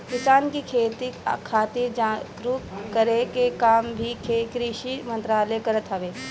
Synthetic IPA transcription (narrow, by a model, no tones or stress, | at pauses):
ʋɪt͡ʃaːnkikʰeːt̪ikʰaːt̪iːɾd͡ʒaːɡɾutkəɾekekaːmbʱikʰekɾiʃimə̃nt̪ɾaːlekɐɾət̪ɦəʋeː